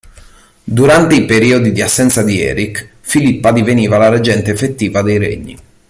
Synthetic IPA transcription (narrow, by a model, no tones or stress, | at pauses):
d̪uɾant̪eipeɾiːod̪id̪iasːɛnt̪sad̪iɛ̰ːɾik | filipːad̪iveniːvalaɾed͡ʒɛnt̪eːfet̪ːiːvad̪ejɾḛɲːḭ